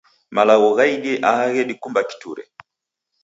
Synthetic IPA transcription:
malaɣɔɣaiɗiʔahaɣɛɗikumbaki̥tṵɾɛ̰

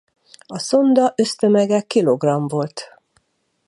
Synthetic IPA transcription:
ɒso̞nd̪ɒʔø̞st̪ø̞mɛɡɛkːilo̞ɡrɒɱvo̞lt̪

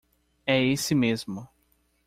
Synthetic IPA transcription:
ɛesɪmezmʊ

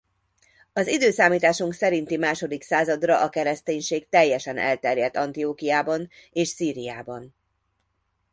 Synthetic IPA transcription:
ɒzid̪øːsaːmiːt̪aːʃuŋksɛɾint̪imaːʃo̞d̪iksaːzɒd̪rɒʔɒkɛɾɛst̪eːɲʃeːɡt̪ɛjːɛʃɛnɛ̰lt̪ɛrjɛt̪ːɒnt̪ijoːkijaːbɒneːʃsiːɾijaːbɒn

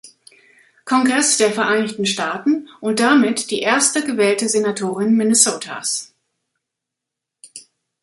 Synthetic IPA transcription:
kʰɔŋɡʁɛsd̥eːɐfɛɐʔaɪnɪçtn̩ʃtaːtn̩ʔʊnt̚d̥amɪtd̥iːʔeːɐstəɡəvɛːltəzenatʰoːʁ̞ɪnmɪnɛsoːtʰa̰s

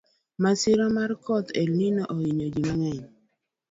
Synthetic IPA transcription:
masɪɾɔmarkɔt̪elninɔʔoiɲod͡ʒimaŋɛɲ

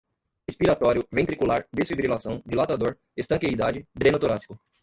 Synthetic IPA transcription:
espiɾat̪ɔɾjʊvẽt̪ɾikulaɾd̪esfibɾilasɐ̃w̃d͡ʒɪlat̪ad̪oɾ | est̪ɐ̃ŋkejd̪ad͡ʒɪd̪ɾẽnʊt̪oɾasi̥kʊ

